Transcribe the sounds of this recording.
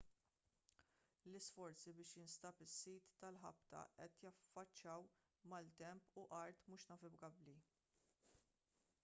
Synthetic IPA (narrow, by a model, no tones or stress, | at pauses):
lɪsfɔɾt͡sibɪːʃjɪnst̪ɐpɪsːiːt̪ːɐlħɐ̰pt̪ɐ̰ʔɛt̪jɐfːɐt͡ʃːjɐw | mɐlt̪ɛmpuʔɐɾt̪muːʃnɐːfɪbɡɐbli